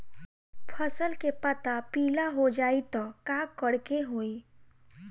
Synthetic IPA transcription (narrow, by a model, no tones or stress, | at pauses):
pʰəsəlkepət̪apiːlaɦod͡ʒaːit̪ɔkãːkəɽkeɦoːi